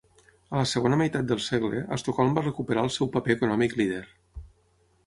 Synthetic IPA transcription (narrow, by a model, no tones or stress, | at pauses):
ələsəɣ̞onəməjt̪at̪̚d̪əlˠsɛɣlə̰ʔə̰st̪okɔlˠmbarəkupəɾaəlˠsɛwpəpeːkunɔmikliðeɾ